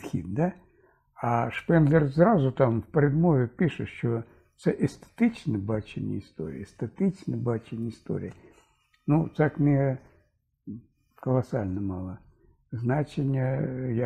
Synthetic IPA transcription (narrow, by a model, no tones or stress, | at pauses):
xʲḭd̪̚d̪a | aʂpɛnd̪lʲɪrsɾazʊt̪amfpɾʲɪd̪movʲɪpʲiʂɨʃt͡ʃo | t̪sɛʔest̪e̥t̪ɨt͡ɕnɨbat͡ɕɪ̰nʲːɪ̰ɪst̪o̰ɾʲɪ̰est̪et̪ɪt͡ʃnɨbat͡ɕɪnʲːɪɪst̪o̰ɾʲɪ̰jə | nut̪akmʲe | kəlˠɐsalʲnɐmɑ̰lˠə | znat͡ʃɪnʲːəja